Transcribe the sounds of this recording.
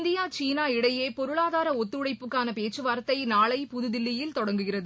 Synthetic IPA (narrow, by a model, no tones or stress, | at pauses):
nd̪ɪjaːt͡ʃiːnaːɪɽɐjeːpɔɾɯɭaːðaːɾɐɔt̪ːɯɽɐɪpːɯkːaːnɐpeːt͡ʃːɯʋaːɾɐt̪ːɐɪnaːɭɐɪpʊðʊðɪlːɪjɪlt̪ɔɽɐŋɡɯɣɪrɐðɯ